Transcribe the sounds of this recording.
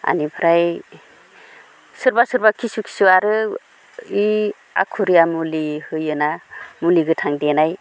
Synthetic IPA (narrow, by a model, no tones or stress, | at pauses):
a̰nipʰɾaj | sɯɾbasɯɾbakʰisukʰi̥suaɾɯ | i | a̰kʰuɾijamulihɯjɯnamuliɡɯtʰaŋdenaj